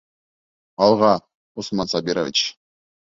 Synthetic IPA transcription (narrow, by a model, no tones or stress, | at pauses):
ɑlˠʁɑ | usmɑnsɑbʲiɾovʲḭt͡ɕ